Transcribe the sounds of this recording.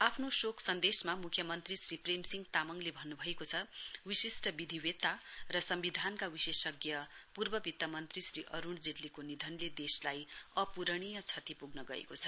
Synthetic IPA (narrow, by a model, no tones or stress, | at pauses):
apʰnosokʰsʌnd̪esmamukʰjʌmʌnt̪risripremsiŋɡt̪amʌŋlebʱʌnːubʱʌekot͡sʰʌwisisʈʌbid̪ʱiwet̪arʌsʌmbid̪ʱankawisesʌɡjʌpurbʌbit̪ːamʌnt̪risriʔʌɾuɳd͡zeʈlikonid̪ʱʌnled̪eslajʌpuɾʌɽ̃ijʌt͡sʰʌt̪ipuɡnʌɡʌḛkot͡sʰʌ̥